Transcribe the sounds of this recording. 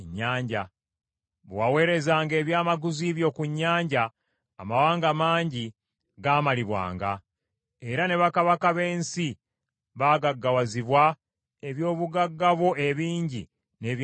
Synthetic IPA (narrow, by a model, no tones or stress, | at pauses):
ɲːaːɲɟa | βwawe̞ːɾe̞zaːŋɡe̞ːβjaːmaɡuziβjo̞kuɲːaːɲɟaː | mawaːŋɡamaːɲɟi | ɡaːmaliβwa̰ːŋɡa̰ | e̞ɾane̞βakaβakaβe̞ːnsi | βaːɡaɡːawaziβwa | e̞βjo̞ːβuɡaɡːaβwo̞e̞βiːɲɟi | neβ